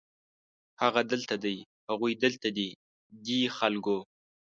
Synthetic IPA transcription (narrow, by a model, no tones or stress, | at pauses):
haɣad̪əlt̪ad̪əj | haɣujd̪əlt̪ad̪i | d̪ixalɡo